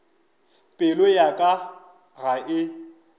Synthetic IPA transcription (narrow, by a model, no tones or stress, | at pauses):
pʼɪlojakʼa | ɣaʔɪ